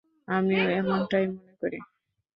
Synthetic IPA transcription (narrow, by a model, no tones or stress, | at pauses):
amioemonʈajmonekoɾi